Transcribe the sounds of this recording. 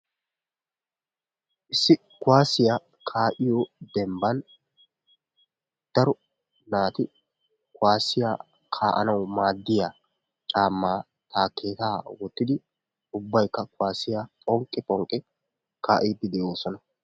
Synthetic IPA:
ʔɪsːɪ | kwaːsɪja | kʰaːʔɪjɔd̪ɛmbɐn | d̪̥ɐɾɔ | naːt̪ɪ | kʊwaːsɪjaː | kʰaːʔɐ̰nɐwmaːd̪ːɪjaː | t͡ʃʼaːmːaː | t̪aːkːe̞ːt̪aːwɔt̪ːɪd̪ɪ | ʊbːɐjkːɐkʊwaːsɪjapʼɔŋkʼːɪpʼɔŋkʼɪ | kʰaːʔiːd̪ɪd̪ɛʔoːsɔnɐ

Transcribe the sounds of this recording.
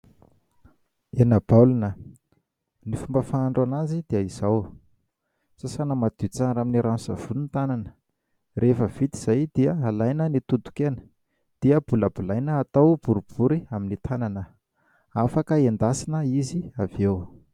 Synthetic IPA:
enəbalunə | nifumbəfaːɳɖ͡ʐanazid̪̥iəiz̥aw | sasanəmad̪̥it͡saɾaminiɾʔansa̰v̥ulunt̪ananə̥ | rʔefəv̥it̪iz̥ajd̪̥iəalajnənit̪ut̪u̥kenə̥ | d̪̥iəbuləbulajnəːt̪awb̥uɾub̥uɾiaminit̪ʰananə | afakəend̪asinəiziavew

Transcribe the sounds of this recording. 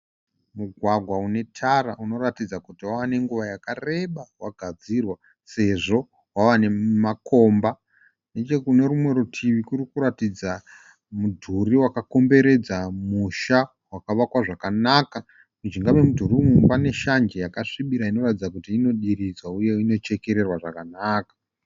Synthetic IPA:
muɡʱwaɡʱwaune̞tʰaɾauno̞ɾatid͡zakutiwaʋane̞ŋɡuʋajakare̞ɓawaɡʱad͡zirwa | se̞ʐo̞ | waʋane̞mako̞mba | net͡ʃekune̞ɾumwe̞ɾutʰiʋikuɾikuɾatid͡za | mudʱuriwakako̞mbe̞ɾe̞d͡zamuʃa | wakaʋakwaʐakanaka | kud͡ʒiŋɡamemudʱurimupane̞ʃand͡ʒejakaʂiɓiɾaino̞ratid͡zak̬utiːno̞ɗiɾid͡zwauje̞ino̞t͡ʃe̞ke̞ɾe̞rwaʐakanaːkḁ

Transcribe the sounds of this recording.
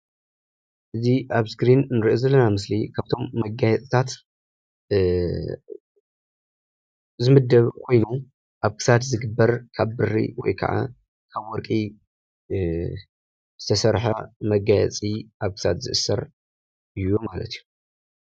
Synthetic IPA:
ʔɨziʔaβsɡɾinnɨɾiʔozɐlːɐnamɨs̬lḭkʰaβt̪ʰo̞mːɐɡːajɛt͡sʼt̪ʰat̪ | zɨmɨd̪ːɐβkʰo̞jnu | ʔaβkʰɨ̥sat̪zɨɡɨbːɐɾkʰaβːɨrːḭwɔ̰jkʰɐ̰ʕa̰ | kʰaβwɔɾkʼi | z̥ɨt̪ʰɐsɐɾħɐmɐɡajɛ̰t͡sʼiʔaβkʰɨ̥sa̰t̪zɨ̰ʔɨsːɐɾ | ɨjomalɐ̰t̪iju

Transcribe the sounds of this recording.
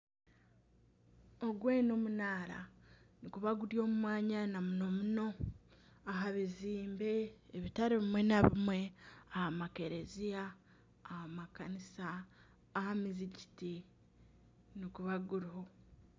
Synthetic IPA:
oɡweːno̞munaːɾa̰nikuβaɡuɾjo̞ːmumwaːɲanamuno̞muno̞ | aɦaβiziːmbe̞ːβitaɾiβimwe̞naβimwe̞ahamake̞ɾe̞zijaː | hamakanisaː | hamiziɟiti | nikuβaɡuɾiho̞

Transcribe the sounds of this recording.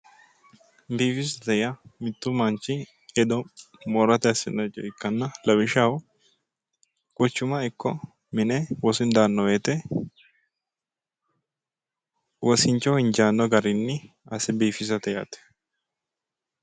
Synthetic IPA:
biːfɪs̬ɐt̪ɛjɐmɪt̪ːʊmɐnt͡ʃːɪ | ɛd̪ɔ | moːɾɐt̪ɛɐsɪnːɐt͡ʃʼɔɪkːɐnːɐlɐbɪʃaw | kʼʊt͡ʃːʊmɐɪkːɔ | mɪnɛwɔsɪnd̪aːnːɔwet̪ɛ | wɔsɪnt͡ʃːɔɪnd͡ʒaːnːɔɡɐɾɪnːɪ | ɐsɛbiːfɪs̬ɐt̪ɛja̰t̪ɛ̥

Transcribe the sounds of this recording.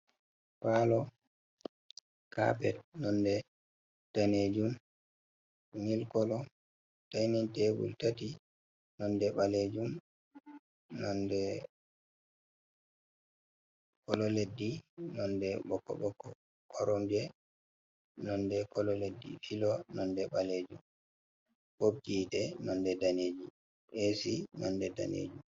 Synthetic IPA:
falɔ | ka̰pɛ̰t̚nɔndɛ | taned͡ʒum | nilkɔlɔ | tajnintewṵltati | nɔndɛɓaled͡ʒum | nɔndɛ | kɔlɔledːinɔndɛɓɔkːɔ̰ɓɔkːɔ | kʰɔɾɔmd͡ʒɛ | nɔndɛkɔlɔledːḭfilɔnɔndɛɓaled͡ʒum | bob̚d͡ʒitɛnɔndɛdaneːd͡ʒi | ʔesinɔndɛda̰nḛːd͡ʒum

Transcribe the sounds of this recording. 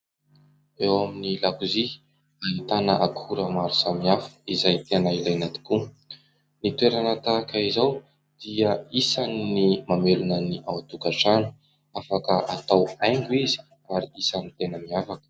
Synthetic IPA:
ewaminilakuzi | ait̪anəʔakʰuɾəmaɾusamiafu̥izajt̪enailajnat̪i̥ku | nit̪weɾanat̪akəizaw | d̪̥iəisannimamelunəniʔawat̪ukaʈ͡ʂanu̥ | afakəʔat̪awajŋɡuizi̥ | aɾiisanit̪enəmiafakə̥

